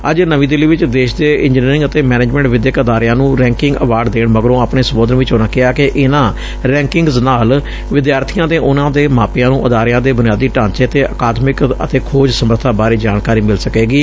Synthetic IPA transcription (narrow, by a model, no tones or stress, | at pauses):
əd͡ʒnəʋĩːd̪ɪliːʋɪt͡ʃd̪eːʃd̪eːʔɪ̃ɲd͡ʒniːɾɪ̃ŋɡət̪eːmɛːneːd͡ʒmɛ̃ːɳʈʋɪd̪jəkəd̪aːɾɪjãːnũːɾɛ̃ːŋkɪŋɡəʋaːɖd̪eːɳməɡəɾõːaːpɳeːsəboːd̪ənʋɪt͡ʃoːnãːkɪaːkeʔɪnãː | ɾɛ̃ːŋkɪ̃ŋɡznaːl | ʋɪd̪jaːɾt̪ʰijãːt̪eːʔʊnãːd̪eːmaːpɪjãːnũːʔəd̪aːɾɪjãːd̪eːbʊnɪjaːd̪iːʈãːnt͡ʃeːət̪eːʔəkaːd̪mɪkə̰t̪eːkʰoːd͡ʒsəməɾt̪ʰaːbaːɾiːd͡ʒaːnkaːɾiːmɪlsəkeːɡiː